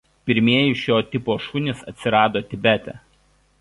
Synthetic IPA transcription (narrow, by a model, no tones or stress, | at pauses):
pʲɪɾʲmʲiɛjɪʃʲjoːt̪ʲɪpoːʃunʲɪsɐ̰t̪ʲsʲɪɾɑːd̪oːt̪ʲɪbʲæt̪ʲɛ̰